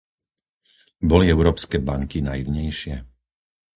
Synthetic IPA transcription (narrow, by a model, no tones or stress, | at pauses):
bɔliɛʊɾɔːpskɛːbaŋkinajiʋɲɛjʃɪɛ